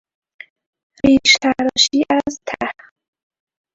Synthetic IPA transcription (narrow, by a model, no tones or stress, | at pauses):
ɾiːʃt̪ʰaɾɔʃiːʔæzt̪ʰæh